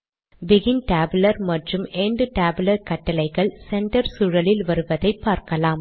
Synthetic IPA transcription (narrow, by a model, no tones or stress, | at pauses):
bɪɣɪnʈaːbɯlɐɾmɐʈrɯmeːɳɖɯʈaːbɪlɐɾkɐʈːɐlɐɪɣɐɭsɛɳʈɐɾsʊɻɐlɪlʋɐɾɯʋɐðɐɪpːaːɾkɐlaːm